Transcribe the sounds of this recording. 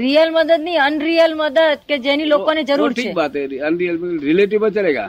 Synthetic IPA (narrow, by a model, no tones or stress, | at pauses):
ɾijəlməd̪əd̪niənɾijəlməd̪əd̪̚ked͡ʒenilokoned͡ʒəɾuɾt͡ʃʰiebat̪eənɾiəlmɾileʈiʋbət͡ʃəleɡa̰